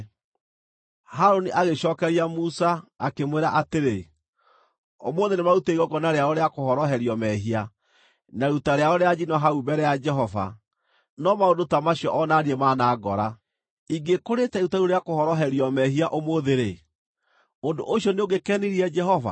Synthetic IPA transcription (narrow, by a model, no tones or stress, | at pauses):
haɾoniʔaɣeʃɔkɛɾiamusaːkemweɾaʔateɾe | omoːðenemauteiɣɔɡɔnaɾeaoɾeakohɔɾɔɦɛɾiɔmɛɦia | naɾutaɾeaoɾead͡ʒinɔɦaubɛɾɛjad͡ʒɛɦɔva̰ | nɔmaondotamaɕiɔʔɔnaːɾiɛmaːnaːɡɔɾa | iɡekoɾetɛɾutaɾuɾeakohɔɾɔɦɛɾiɔmɛɦiaʔomoðeɾe | ondoʔoʃjɔneoɡekɛniɾiɛd͡ʒɛhɔva̰